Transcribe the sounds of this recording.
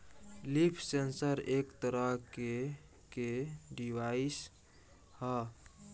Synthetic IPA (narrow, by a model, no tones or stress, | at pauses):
lipʰsensəɾekt̪əɾəɦke | keɖiwais | hə